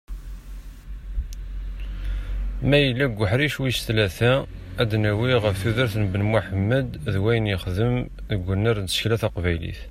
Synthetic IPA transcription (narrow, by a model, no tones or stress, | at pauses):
mæjəlːæɡʷːəħɾiʃwiʃθlæθææd̪næwiʁəfθuðəɾθnbənmʊħəmːəd̪ðwæjənjəχðəm | ðəɡʷːənːəɾnt̪ə̥ʃklæθæqvæjlḭθ